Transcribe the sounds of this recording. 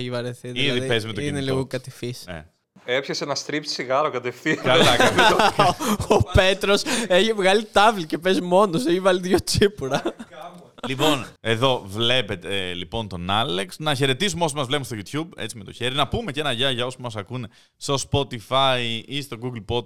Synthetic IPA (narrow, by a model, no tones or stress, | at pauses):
eçivɐɾeθiiððipezmet̪oineliɣokɐt̪ifisḛ | epçɐsenɐst̪ɾipsiɣɐɾokɐt̪efθiɐlɐkm | ope̞t̪ɾoseçivɣɐlit̪ɐvlice̞pezmo̞noseçivɐliðʝot͡sipuɾɐ | lipo̞ne̞ðo̞vle̞pe̞t̪elipo̞nt̪o̞nɐleksnɐçe̞ɾe̞t̪is̬umeo̞somɐzvle̞punst̪oʝut̪çube̞t͡sime̞t̪oçeɾinɐpume̞ce̞nɐʝɐʝɐo̞soumɐsɐkune | st̪o̞spo̞t̪ifɐjist̪o̞ɡuɡlpo̞d̪